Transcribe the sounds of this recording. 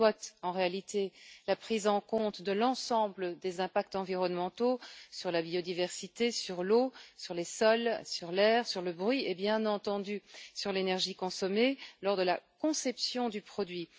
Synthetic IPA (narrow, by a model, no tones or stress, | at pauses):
wat̪ɑ̃ʁealit̪ʰelapχizɑ̃kɔ̃t̪d̪əlɑ̃sɑ̃bləd̪ezɛ̃pak̚t̪ɑ̃viʁɔnmɑ̃t̪osyʁlabiɔd̪ivɛʁsit̪esyʁlosyʁlesɔlsyʁlɛːʁsyʁləbʁɥiebjɛ̃nɑ̃t̪ɑ̃d̪ysyʁlenɛʁʒikɔ̃sɔmelɔʁd̪əlakɔ̃sɛpsjɔ̃d̪ypχɔd̪ɥi